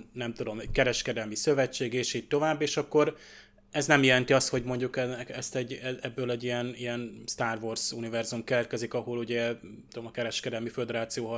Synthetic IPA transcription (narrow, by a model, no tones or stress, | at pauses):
nɛmt̪ud̪o̞mkɛɾɛʃkɛd̪ɛlmisø̞vɛt͡ʃːeːɡeːʃiːc̚t̪o̞vaːbːeːʃɒkːo̞ɾ | ɛznɛmjɛlɛnt̪iɒst̪ho̞ɟmo̞ɲɟukɛnːɛkɛst̪ɛɟɛɛbːøːlɛɟiɛnijɛnst̪aːrvo̞rsunivɛrzumkɛlɛt̪̚kɛzikɒɦoluɟɛt̪ud̪mɒkɛɾɛʃkɛd̪ɛlmifød̪ɛɾaːt̪sijoːɦɒ